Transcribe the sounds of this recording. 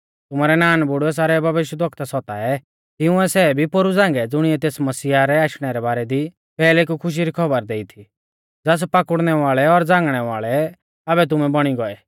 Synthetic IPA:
t̪ʊmaɾɛnaːnbʊɽuɛs̬aːɾɛbʱɐʋɪʃjəd̪ʋɔkʰt̪asɔt̪aɛ | t̪ɪʊ̃ɛsɛbʱipoɾud͡zãːŋɡɛd͡zʊɽ̃iɛt̪eːsmɐsiːaɾɛaːʃɽ̃ɛɾɛbaːɾɛd̪i | pɛːlekukʰʊʃ̬iɾikʰɔbəɾd̪eːit̪ʰi | d͡zɛs̬paːkʊɽɽ̃ɛʋaːɭɛɔɾd͡zãːŋɡɽ̃ɛʋa̰ːɭɛ | abɛt̪̬ʊmɛbɔɽ̃iɡɔɛ

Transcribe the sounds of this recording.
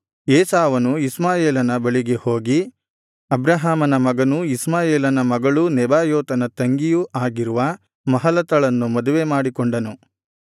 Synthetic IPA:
ɛːsaːʋɐnuismaːjeːlɐnɐbɐɭiɡeho̞ːɡi | ɐbɾɐɦaːmɐnɐmɐɡɐnuismaːjeːlɐnɐmɐɡɐɭunɛbaːjoːt̪ɐnɐt̪ɐŋɡijuʔaːɡiɾuʋɐ | mɐɦɐlɐt̪ɐɭɐnːumɐd̪uʋe̞maːɽikoɳɖɐnu

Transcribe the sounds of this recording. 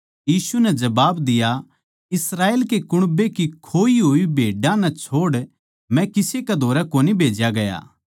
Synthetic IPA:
jiːsunɛd͡ʒɐbaːbd̪ɪja | ɪsɾaːeːlkekʊɽ̃bekikʰoːiɦoːibʱeːɖãnɛ̃t͡ʃʰoːɽ | mɛ̃kɪsekeɛd̪ʱoːɾɛkoːnibʱeːd͡ʒjaɡɐja̰ː

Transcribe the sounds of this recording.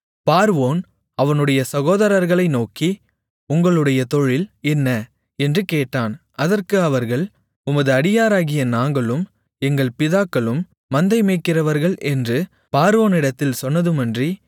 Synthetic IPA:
paːɾʋoːn | ɐʋɐnɯɽɐjɐsɐɣoːðɐɾɐɾɣɐɭɐɪnoːki | ʊŋɡɐɭɯɽɐjɐt̪ɔɻɪlɛnːɐ | ɛndrɯkeːʈːaːn | ɐðɐrkɯɐʋɐɾɣɐɭ | ʊmɐðɯɐɽɪjaːɾaːɣɪjɐnaːŋɡɐɭɯm | ɛŋɡɐɭpɪðaːkːɐɭɯmː | ɐnd̪ɐɪmeːkːɪrɐʋɐɾɣɐɭʔɛndrɯ | paːɾʋoːnɪɽɐt̪ːɪlsɔnːɐðɯmɐndri

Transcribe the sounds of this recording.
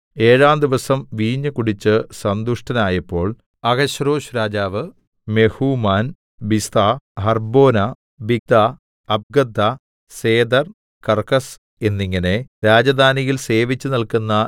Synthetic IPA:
e̞ːɻaːmd̪iʋɐsɐmʋiːɲːɨkuɽit͡ɕːɨsɐnd̪uʂʈɐnaːjɐpːo̞ːɭ | ɐɡɐɕroːɕɾaːd͡ʑaːʋɨ | me̞huːmaːn | bist̪aɦɐrbo̞ːnɐ | biɡ̚d̪a | ɐb̚ɡɐd̪ʱːɐ | se̞ːd̪ɐr | kɐrkɐs | e̞nːiŋːɐneɾaːd͡ʑɐd̪ʱaːnijilse̞ːʋit͡ɕːɨnilkunːɐ

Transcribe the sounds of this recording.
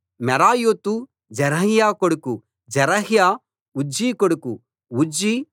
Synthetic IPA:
mɛɾaːjoːt̪u | d͡ʒɛɾɐɦjaːkoɽuku | d͡ʒɛɾɐɦjaː | ud͡ʒiːkoɽuku | ud͡ʒi

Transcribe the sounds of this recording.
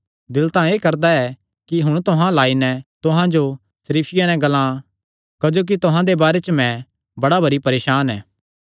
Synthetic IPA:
d̪ɪlt̪ãeːkɐɾd̪aɛ | kiɦʊɽ̃t̪ʊɦãlaːinɛ̃t̪ʊɦãd͡ʒo | sɐɾiːpʰɪjanɛ̃ɡɐlã | kɐd͡ʒoːk̬it̪ʊɦãd̪ebaːɾet͡ʃmɛ̃ | bɐɽabʱɐɾipɐɾeːʃaːnɛː

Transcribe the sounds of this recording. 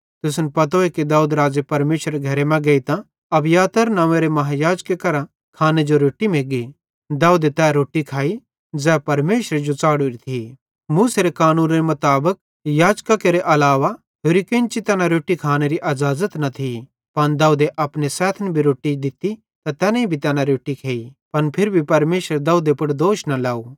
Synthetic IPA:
t̪ʊsnpɐt̪̬oekid̪aːuːd̪ɾaːd͡ʒepɐɾmeːʃɾeɡʱɐɾemɛ̃ɡɐit̪ã | ɐbjaːt̪əɾnãːʋẽɾemɐɦajaːd͡ʒkekɐɾã | kʰaːned͡ʒoɾoːʈimeːɡi | d̪aːuːd̪et̪ɛːɾoːʈikʰaːi | d͡zɛːpɐɾmeːʃɾed͡ʒot͡saːɽoɾit̪ʰi | muːseɾekaːnũːnɾemʊt̪aːbək̚ | jaːd͡ʒkakeɾeʔɐlaːʋa | ɦeːɾikẽnt͡ʃit̪ɛːnãɾoːʈːikʰaːneɾiʔɐd͡ʒaːzət̪nɐt̪ʰi | pɐnd̪aːud̪eʔɐpnesɛːt̪ʰənbʱiɾoːʈid̪ɪt̪i | t̪at̪ɛːnãĩbʱit̪ɛːnãɾoːʈːikʰeːipɐnpʰɪɾbʱipɐɾmeːʃəɾed̪aːuːd̪epʊʈd̪oːʃnalaːu

